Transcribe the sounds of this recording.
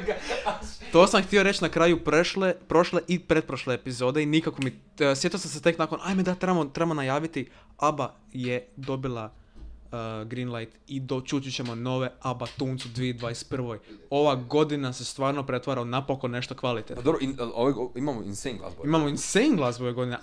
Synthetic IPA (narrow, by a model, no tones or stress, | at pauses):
t̪o̞ːsamxt̪io̞ɾe̞t͡ʃnakɾaːjuplepɾo̞ʃleʔipɾe̞d̪̚pɾoʃleːpizoːd̪einikakomi | sʋjet̪osamset̪e̞knako̞nʔajmed̪at̪ɾemot̪ɾebamonajaːʋit̪i | aba | jed̪o̞bilˠa | ɡɾinlˠajt̪id̪ot͡ʃut͡ʃit͡ɕemo̞no̞ʋe̞abat̪uːnt̪sud̪ʋijed̪ʋaːjespr̩ʋo̞jo̞ʋaɡo̞d̪inase̞st̪ʋaːɾnopɾe̞t̪ʋaɾaonapokonne̞ʃt̪okʋalit̪epd̪oɾoioʋooimamoḭnseŋɡlˠa̰soimamoinseiŋɡlˠasboʋeɡo̞d̪ine